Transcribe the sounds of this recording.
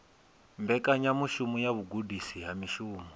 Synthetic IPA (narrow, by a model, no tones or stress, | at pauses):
mbɛkaɲamuʃumujaβuɡudisiɦamiʃuːmu